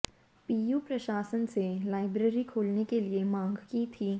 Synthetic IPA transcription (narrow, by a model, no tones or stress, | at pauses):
piːjupɾɐʃaːsənselaːɪbɾeːɾikʰoːlnekeliemãːŋɡkit̪ʰiː